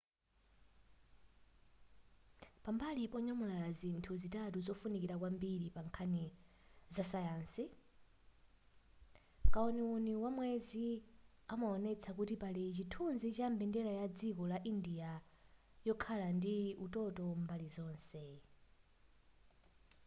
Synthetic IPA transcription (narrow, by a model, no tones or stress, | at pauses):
pambalipɔɲamulazintʰuzitatuzɔfunikiɾakwambiɾipaŋkʰani | zasajaːnsi | kaɔniuniwamwɛzi | amaɔnɛt͡sʰakutipalit͡ʃitʰunzit͡ʃambɛndɛɾajad͡zikɔlaʔindija | jɔkʰalandiutɔtɔmbalizɔːnsɛ